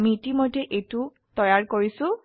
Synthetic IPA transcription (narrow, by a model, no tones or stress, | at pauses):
miːtimojdɛʔejtʊ | tɔjaɹkoɹisʊ̃